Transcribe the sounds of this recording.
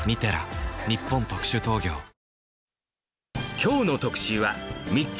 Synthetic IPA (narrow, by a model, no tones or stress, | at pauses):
mʲit̪eɾa̰ɲʲipːõ̞nt̪o̞kɯ̟̥ɕɨt̪o̞ːɡʲo̞ː | kʲʰo̞ːno̞t̪o̞kɯ̥ɕɨβamʲi